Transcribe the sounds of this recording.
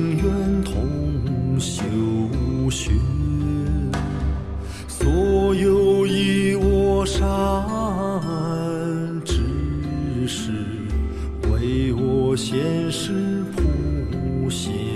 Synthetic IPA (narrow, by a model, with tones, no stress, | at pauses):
ŋjɛ˥˧nt̪ʰʊ˧˥ŋ˧˩ɕjo˨˩ʊu˧˥ɕy˧˥n | swɔ˧˥jo˧ʊi˧˩wɔ˧˥ʂa˥ | ə˧n | ʈ͡ʂɻ̩˧˥ | ʂɻ̩˧˩ | we˧˥ɪwɔ˧˩ɕjɛ˧˥nʂɻ̩˥pʰu˧˩u˧˩ɕjɛ˧